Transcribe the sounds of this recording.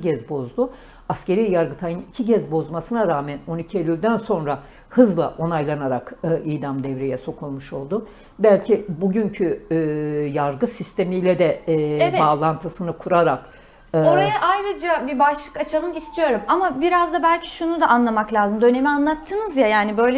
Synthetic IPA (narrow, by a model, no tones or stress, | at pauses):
ɟɛzbo̞zd̪ʊ | asce̞ɾijjaɾɡɯt̪ʰajɯnicʰiɟɛzbo̞zmasɯnaɾaːmæno̞nicʰielʲylʲd̪ænso̞nɾa | hɯzlˠa̰ʔo̞najlˠanaɾakɯʔijd̪amd̪ɛvɾejɛso̞kʰulˠmuʃo̞lˠd̪ʊ | bælʲcʰibuɟyɲcʰy | jaɾɡɯsist̪ʰe̞mijlʲɛd̪ɛbaːlˠant̪ʰɯsɯnɯkʰuɾaɾakː | oɾjaʔajɾɯd͡ʒabibaʃlˠɯkat͡ʃʰalˠɯmist̪ʰijo̞ɾumamabiɾazd̪abælʲcʰi̥ʃunud̪aʔanlˠamaklʲaːzɯmd̪ø̞ne̞mianlˠat̪ʰːɯnɯzjajaːnibø̞jlʲ